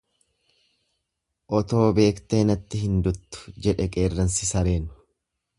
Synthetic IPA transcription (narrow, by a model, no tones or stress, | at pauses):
ʔɔt̪o̞ːbe̞ːkt̪e̞ːnɐt̪ːɪɦɪnd̪ʊt̪ːʊ̥d͡ʒɛᶑɛkʼe̞ːrːɐnsɪsɐɾe̞ːnʊ̥